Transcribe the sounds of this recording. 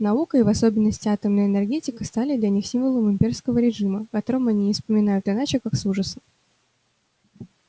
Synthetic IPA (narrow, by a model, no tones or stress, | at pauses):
nɐukəɪvɐso̞bʲɪnːəsʲtʲɪat̪əmnəjənʲɛrɡʲetʲɪkəst̪alʲɪd̪lʲɐnʲixsʲimvəlˠəmɨmʲpʲe̞rskəvəɾʲɪʐɨməkɐt̪o̞ɾəmɐnʲifspəmʲɪn̪ajʊt̪ɨnat͡ɕɪkaksuʐəsəm